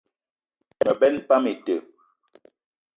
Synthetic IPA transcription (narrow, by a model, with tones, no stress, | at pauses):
tə˨bɛ˦npa˦me˨tə˨